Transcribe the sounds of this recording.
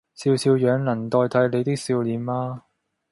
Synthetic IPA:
siː˧wsiː˧wjœː˨˧ŋlɐ˨˩nt̪ɔː˧jt̪ʰɐ˨˥jle˨˧jt̪ɪ˥k̚siː˧wliː˨˧maː˧

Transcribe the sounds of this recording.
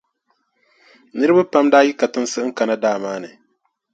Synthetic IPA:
nɨ˦ɾɨ˦ba˦pa˦mdaː˦ji˦ka˨tɨ˦n˦sɨ˦ʔŋ̩˦ka˨na˦daː˦˨maː˦nɨ˨

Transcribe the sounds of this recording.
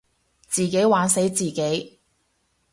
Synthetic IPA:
t͡siː˨ke˨˥jwaː˨˥nse˨˥jt͡siː˨ke˨˥j

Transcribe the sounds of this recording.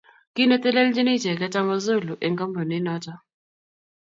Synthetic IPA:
ki˦no˦t̪ɛ˦lɛ˦ld͡ʒɪ˦nɪ˦t͡ʃɛ˨ka˦ta˦mɔ˦zo˦˨lu˨ʔe˨ŋɡa˦mbo˨nɪ˦nɔ˦t͡ʃɔ˦

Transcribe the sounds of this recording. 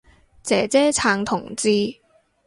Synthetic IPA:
t͡sɛː˨˥t͡sɛː˥t͡sʰaː˨˧ŋt̪ʰʊ˨˩ŋt͡siː˧

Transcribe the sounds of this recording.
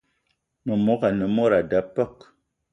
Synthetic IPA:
no˨mo˨˦ka˨nə˨mo˦ɾa˨da˨˦pə˦˨k

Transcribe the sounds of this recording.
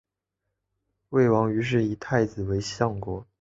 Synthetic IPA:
we˥˩ɪwɑ˧˥ŋy˧˥ʂ̬ɻ̩˥˩i˧˨˥t̪ʰa˥˩ɪd͡zɹ̩˨˩we˧˥ɪɕjɑ˥˩ŋkwɔ˧˩˦

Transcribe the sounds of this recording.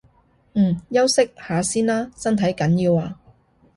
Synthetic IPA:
jɐ˥wsɪ˥k̚haː˨˧siː˥nlaː˥sɐ˥nt̪ʰɐ˨˥jkɐ˨˥njiː˧waː˧

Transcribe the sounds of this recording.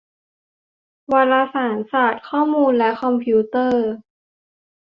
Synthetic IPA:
waː˧laː˧saː˩˦nsaː˨˩t̪̚kʰɔː˥˩muː˧nlɛ˦˥kʰɔ˧mpʰiː˦˥t̪ɤː˥˩

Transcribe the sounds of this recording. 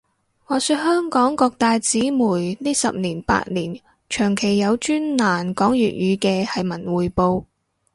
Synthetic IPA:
ŋɔː˨˧syː˧t̚hœː˥ŋkɔː˨˥ŋkɔː˧k̚t̪aː˨˧jt͡siː˨˥muː˨˩jniː˥sɐ̰˨p̚niː˨˩npa̰ː˧t̚liː˨˩n | t͡ʃʰœː˨˩ŋkʰe˨˩jːɐ˨˧wt͡ʃyː˥nnaː˨˩nkɔː˨˥ŋjy̰ː˨t̚jyː˨˧kɛː˧hɐ˨jmɐ˨˩nwuː˨˩jpo˧w

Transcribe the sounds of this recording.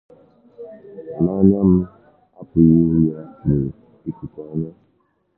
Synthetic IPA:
na˦ɲa˦m̩˦ | a̰˦pʊ˨ji˦ɾu˦ja˦ne˨ | i˦ku˨ka˦ɲa˦

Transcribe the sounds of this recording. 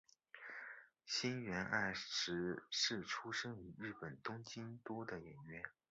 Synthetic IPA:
ɕi˥nɥɛ˧˥nʔa˥˩ɪʂɻ̩˧˥ʂɻ̩˥˩ʈ͡ʂʰu˥ʂɤ˥ŋy˧˥ɻɻ̩˥˩pə˨˩nt̪ʊ˥ŋt͡ɕi˥nt̪wɔ˥d̪ə˨jɛ̰˨˩nɥɛ˥n

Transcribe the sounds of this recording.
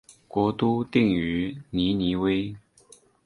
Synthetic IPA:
kwɔ˧˥t̪u˥t̪i˥˩ŋy˧˥ni˧˥ni˧˥we˥ɪ

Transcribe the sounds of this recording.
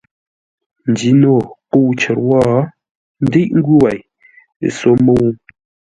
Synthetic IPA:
n̩˨di˨˦no˦˨ko˦˨˦t͡ʃə˨ɾwɔ˦˨˦ | n̩˦de˦ʔŋ̩˦ɡu˦wa˨j | so˨˦mo˦˨wu˦

